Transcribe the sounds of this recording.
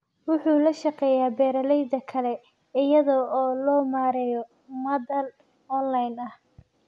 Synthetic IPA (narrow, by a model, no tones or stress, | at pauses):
wʊħuːlɐʃɐqɛːjaːbɛːɾɐlɛjd̪ɐkʰɐlɛ | ɪjɐðɔɔːlɔːmaːɾɛːjɔ | mɐdɐl | ɔnlɐjnɐh